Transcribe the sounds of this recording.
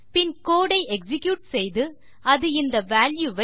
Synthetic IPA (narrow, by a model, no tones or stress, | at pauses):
pɪnkoːɽɐɪʔɛksɪkjuːʈ̚sɛjðɯ | ɐðɯɪnd̪ɐʋaːljuʋɐ